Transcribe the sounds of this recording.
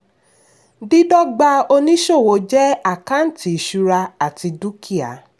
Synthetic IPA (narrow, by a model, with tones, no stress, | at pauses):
di˦dɔ˦ɡ͡ba˧o˧nĩ˦ʃo˦˨wo˨˦d͡ʒɛ˦a˦˨kã˨˦n̩˦ti˨˦˨ʃu˧ɾa˧a˨ti˧du˦ki˦˨a̰˨˦